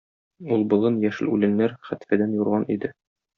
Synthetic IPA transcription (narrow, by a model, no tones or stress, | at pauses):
ulˠbŏlˠɤnjæʃɘ̰̆lʉlɘ̆nːæɾχæt̪fæd̪ænjuɾʁɑnid̪ɘ